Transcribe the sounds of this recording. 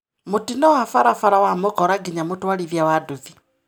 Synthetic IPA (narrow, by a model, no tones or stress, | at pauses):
mutinɔwafaɾafaɾawamokɔɾaɡiɲamotwaliðjawaduði